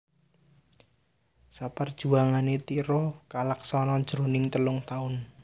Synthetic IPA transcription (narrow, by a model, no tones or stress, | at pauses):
sapərd̥ʒ̥ṳaŋanet̪iɾɔkalaksɔnɔɲd͡ʒɾonɪŋt̪əlʊŋt̪aʊn